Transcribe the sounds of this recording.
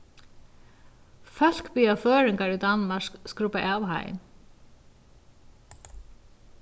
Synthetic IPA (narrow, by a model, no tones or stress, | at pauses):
fœl̥kpiːafœːɾɪŋkaɹid̪anmaʂkskɾʊpaʔawɦa̰j̰n